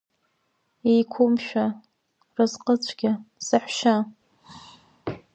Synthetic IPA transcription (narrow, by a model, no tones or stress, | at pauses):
ejkʷʰʊmʃᶣa | rɨzqʼət͡ɕʷʰɡʲɪsɨħʷʃa